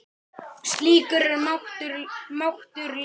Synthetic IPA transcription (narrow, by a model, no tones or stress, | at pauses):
st̪liːkʏɾɛɾmaht̪ʏɾmawht̪ʏɾl